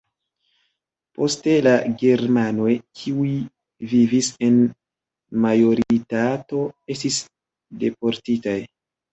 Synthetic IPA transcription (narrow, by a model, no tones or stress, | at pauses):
po̞ste̞laɡe̞ɾmano̞jkʰiui | vivise̞n | majo̞ɾitato̞e̞stis | de̞po̞ɾtitaj